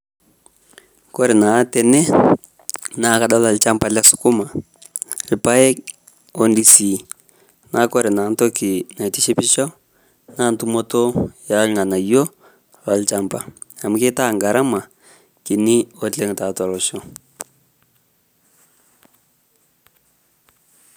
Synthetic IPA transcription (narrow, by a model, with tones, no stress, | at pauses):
ko˦ɾi˨na˨˦tɛ˨nɛ˦ | na˦ka˦ɗa˦la˨lt͡ʃa˦mpa˨la˦su̥˨ku˦ma˨ | li˨pa˦e˦ | o˦ndi˦si˨ | nʔa˦ko˦ɾɛ˨na˨˦n˦to˦ki˨na˨i˨ti˦ʃi˦pi˦ʃa˦ | na˦ntu˦mo˦to˦ja˨˦lŋa˨na˨jo˦ | la˨lt͡ʃa˦mpa˨ | a˨mu˦ke˦ta˦˨ŋɡa˨ɾʔa˦ma˨ | ki˨ni˦o˦t͡ɬe˦ŋ˨ta˨ta˨lo˨ʃo˦